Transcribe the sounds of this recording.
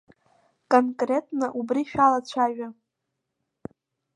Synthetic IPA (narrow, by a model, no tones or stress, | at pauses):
kʼonkʼre̞tʼnaʔubriʃᶣalat͡ɕʷʰaʒᶣa